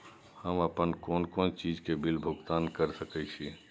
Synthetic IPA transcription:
həməpənkoːnkõːnt͡ʃiːd͡ʒkebɪlbʱʊɡt̪aːnkəɾsəkəɪt͡ʃʰi

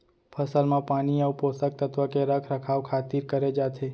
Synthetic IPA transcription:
pʰəsəlmãpaniəuposək̚t̪ət̪ʋəkeɾəkʰɾəkʰaʋkʰat̪iɾkəɾed͡ʒat̪ʰe

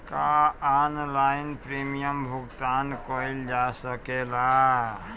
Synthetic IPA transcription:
kaanlaɪnpɾimijəmbʱʊɡt̪ankəld͡ʒasəkela

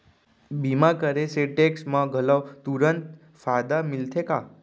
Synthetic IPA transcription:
bimãkəɾeseʈeksmãɡʱələwt̪uɾənt̪ | fad̪amilt̪ʰeka

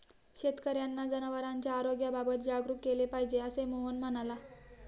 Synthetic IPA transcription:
ɕet̪kəɾjanːad͡zənəʋəɾaɲt͡ɕjaːɾoɡjababət̪d͡ʑaɡɾukkːelepaɦid͡ʑeəsemoonməñala

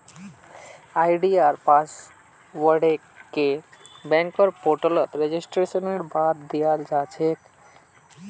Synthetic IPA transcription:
ajɖiaɾpas | wəɽe | kebɛ̃ŋkəɾpoɾʈələt̪ɾed͡ʒisʈɾesənmeɽbat̪d̪ijald͡ʒat͡ʃʰek̪

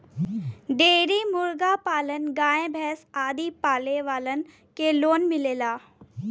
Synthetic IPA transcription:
ɖeːɾimʊɾɡapaːlənɡãːẽbʱɛːsaːd̪ipaːleʋaːlən | keloːnmɪleːlaː

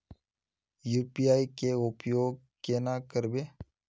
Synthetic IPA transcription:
juːpijaːikeʊpjoːɡ̚keːnakəɾbeː

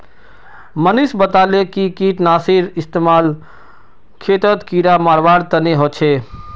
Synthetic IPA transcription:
mənisbət̪alekikiʈnasiɾist̪emal | kʰet̪ət̪kiɾamaɾbaɽt̪əneɦot͡ʃʰe

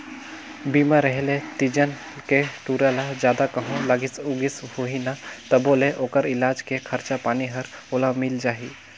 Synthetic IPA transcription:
biːmaɾəɦlet̪id͡ʒən | keʈuːɾalad͡ʒjaːd̪akəɦõlaɡɪsuɡɪshoɦinat̪ɔboːleʔoːkəɾɪlaːd͡ʒkekʰəɾt͡ʃapaːniɦəɾoːlamɪld͡ʒaːɦi

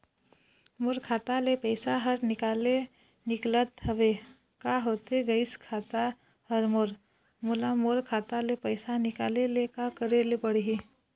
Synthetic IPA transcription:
moɾkʰaːt̪alepəɪsaɦəɾnɪkaːle | nɪklət̪ɦəʋe | kaɦoːt̪eɡəɪskʰaːt̪a | həɾmoɾ | mulamoɾkʰaːt̪alepəɪsanɪkaːlelekakəɾelepəɽɦi

